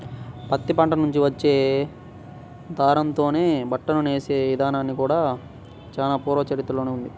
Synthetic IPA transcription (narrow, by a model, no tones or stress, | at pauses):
pɐt̪ːipɐɳʈɐnuɲt͡ʃiʋɐt͡ʃːe̞ː | d̪ʱaːɾɐnt̪o̞ːne̞ːbɐʈːɐnuneːse̞ːʋid̪ʱaːnaːnːikuːɽaː | t͡ʃaːlaːpuːɾʋɐt͡ʃɐɾit̪ɐlo̞ːneund̪i